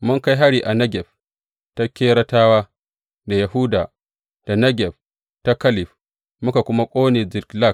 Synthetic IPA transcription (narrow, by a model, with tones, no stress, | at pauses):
mʊ˦ŋka˦jɦa˦ɽiː˨ʔa˨nɐ˦ɡʲɛ˨ɸ | ta˦kʲeː˦ɽɐ˦taː˦waː˦ | da˨ja˨huː˦daː˨ | d̥a˨nɐ˦ɡʲɛ˨ɸ | ta˦kɐ˦lɪ˨ɸ | mʊ˦ka˨kʷʊ˦ma˦kʷʼoː˦neː˨zɪ˨kla˦˨k̚